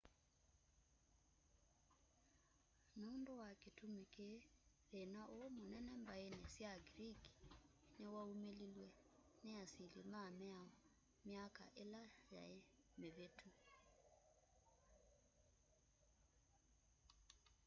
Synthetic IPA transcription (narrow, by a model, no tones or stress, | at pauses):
noːndowaketumeke | ɾenaʔomonɛnɛmbaenɛsjaɡɾiki̥newaumelilwe | neasilimamɛaɔ | mjaka̰ʔelaja̰emeβetʰu